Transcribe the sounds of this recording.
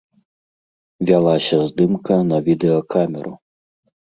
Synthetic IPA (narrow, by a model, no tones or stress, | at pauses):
vʲalˠasʲɐzd̪ɪmkɐnɐvʲid̪ɛɔkamʲɛɾʊ